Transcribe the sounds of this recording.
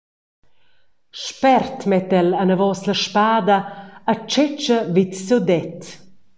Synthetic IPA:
ʃpɛrt̪mɛt̪ɛlanəvɔːsləʃpaːd̪aːt͡ʃɛt͡ʃəvit̪sud̪ɛt̪

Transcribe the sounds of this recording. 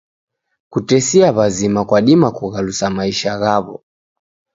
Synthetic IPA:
kutɛsiaβazimakwaɗimakuɣalusamaiʃaɣaβɔ̰

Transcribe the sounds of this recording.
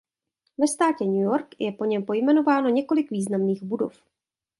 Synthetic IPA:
vɛst̪aːcɛɲujoɾkjɛpo̞ɲɛmpo̞jmɛno̞vaːno̞ɲɛko̞lɪkviːznamniːɣbudo̞̰f

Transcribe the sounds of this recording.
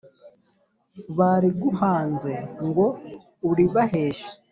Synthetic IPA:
βaɾiɡuhaːnze̞ŋɡo̞ | uɾiβaɦeːʃḁ

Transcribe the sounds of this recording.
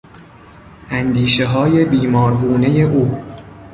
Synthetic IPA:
ʔænd̪iːʃe̞ɦɒːje̞biːmɒːɾbuːne̞je̞ʔuː

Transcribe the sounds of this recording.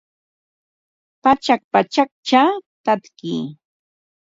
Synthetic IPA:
pat͡ʃak̚pat͡ʃak̚t͡ʃat̪at̪kḭː

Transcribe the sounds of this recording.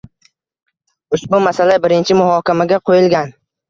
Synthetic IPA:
ʊʃbʊmasalabɪɾɪnt͡ʃʰɪmʊɦɒːkʲamaɡʲaqʰojɪlɡʲan

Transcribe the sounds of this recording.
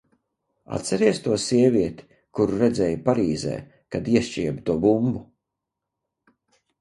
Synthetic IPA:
a̰t̪sɛɾiɛst̪uɔsiɛviɛt̪i̥ | kuɾuɾɛd̪zɛːjpaɾiːzɛ̰ː | kad̪iɛʃt͡ʃiɛbt̪uɔbumbu

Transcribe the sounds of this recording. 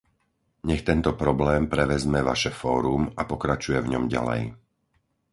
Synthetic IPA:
ɲɛxt̪ɛnt̪ɔpɾɔblɛːmpɾɛʋɛzmɛʋaʃɛfɔːɾumapɔkɾat͡ʃujɛvɲɔmɟa̰lɛ̰j

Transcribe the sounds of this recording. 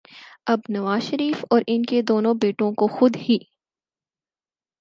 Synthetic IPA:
ɐbnɐʋaːzʃɐɾiːfɔːɾɪnked̪oːnõbeːʈõkoxʊd̪hiː

